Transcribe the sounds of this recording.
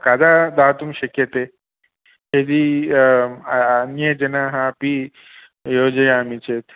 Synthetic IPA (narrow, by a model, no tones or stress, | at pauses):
kad͡zad̪at̪umiɕəkjət̪e | ɦed̪iː | njed͡ʑənaɦãpi | jod͡ʑəjamit͡ɕet̪